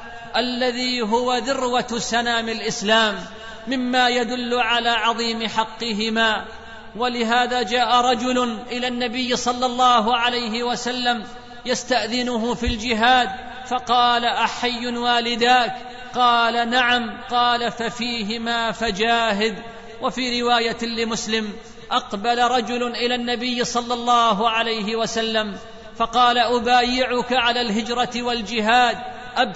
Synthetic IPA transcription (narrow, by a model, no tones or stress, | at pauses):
ʔalːaðiːɦʊwaðʊrwasanaːmɪlʔɪslaːmː | ɪmːaːjad̪ʊlːʊʕalaːʕɑðˤiːmɪħɑqːɪɦɪmaː | walɪɦaːðaːd͡ʒaːʔaɾˤɑd͡ʒʊlʊnʔɪlaːnːabɪjːsˤɑlːɑlˤːɑːɦʊʕalajɦɪwasalːam | jast̪aʔðɪnʊɦʊfild͡ʒɪɦaːd̪ | fɑqɑːlaʔaħajːʊnwaːlɪd̪aːk | qɑːlanaʕamqɑːlafafiːɦɪmaːfad͡ʒaːɦɪd̪ | wafiːɾɪwaːjalɪmʊslɪm | ʔɑqbalaɾˤɑd͡ʒʊlʊʔɪlaːnːabɪjːsˤɑlːɑlˤːɑːɦʊʕalajɦɪwasalːam | fɑqɑːlaʔʊbaːjɪʕʊkaʕalaːlɦɪd͡ʒɾˤɑt̪wald͡ʒɪɦaːd̪ | ʔab